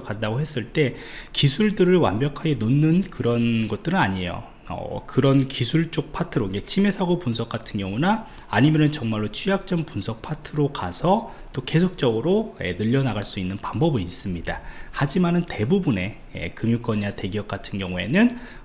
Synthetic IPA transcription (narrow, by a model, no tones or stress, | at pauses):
kadaɡoɦhe̞s͈ɯɭt͈e̞kisʰuɭdɯɾɯɭwa̰nbjʌkʰaɡe̞nonːɯnkɯɾʌnɡʌt̚t͈ɯɾɯnaɲiejo̰ | ʌ̰kɯɾʌnkisʰuɭt͡ɕ͈ok̚pʰatʰɯɾoiɡet͡ɕʰime̞sʰaɡopunsʰʌk͈atʰɯnɡjʌŋunaː | ɲimjʌnɯnt͡ɕʌŋmaɭːot͡ɕʰujak̚t͡ɕ͈ʌmpunsʰʌk̚pʰatʰɯɾokasʰʌ | t͈oke̞sʰok̚t͡ɕ͈ʌɡɯɾoḛnɯʎːʌnaɡaɭs͈uinːɯnpambʌbɯnis͈ɯmɲidahad͡ʑimanɯnte̞bubune̞ | ḛkɯmjuk͈ʌnɲate̞ɡijʌk̚k͈atʰɯnɡjʌŋue̞̰nɯn